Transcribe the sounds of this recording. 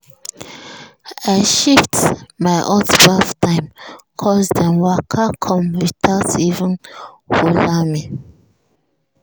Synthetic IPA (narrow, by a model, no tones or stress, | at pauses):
aɪʃiftmaɪʔɔtbaftãɪ̃mkʰɔzdɛ̃mwakʰakʰɔ̃mɹitʰasivə̃n | holami